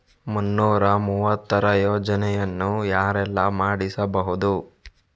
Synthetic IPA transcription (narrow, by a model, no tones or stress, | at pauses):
munːuːɾɐmuːʋɐt̪ːɐɾɐjoːd͡ʒɐnɛjɐnːujaːɾɛlːɐmaːɽisɐbɐɦud̪u